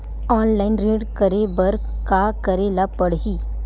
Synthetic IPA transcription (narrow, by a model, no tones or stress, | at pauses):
ɔːnlaːɪnɾeːɖkəɾebɐɾ | kakəɾelapəɽɦiː